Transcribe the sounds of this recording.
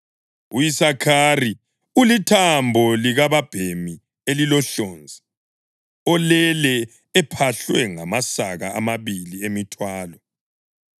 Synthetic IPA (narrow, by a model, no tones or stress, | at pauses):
ujisakʰari | ulitʰambʱɔliɣaβab̥ʱemi | elilɔɬoːnd͡zʱi | ɔlɛlɛː | pʰaɬwɛŋamasaɣa̰ʔamaβiliemitʰwaːlɔ